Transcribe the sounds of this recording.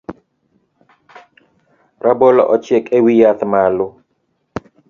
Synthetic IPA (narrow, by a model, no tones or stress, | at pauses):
rabɔlɔ̰ʔɔt͡ʃɛkʼɛwijaθmalu